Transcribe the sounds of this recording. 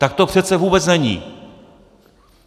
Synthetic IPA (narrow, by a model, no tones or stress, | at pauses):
t̪ak̚t̪o̞pr̝̥ɛt̪t͡sɛvuːbɛt͡snɛɲḭ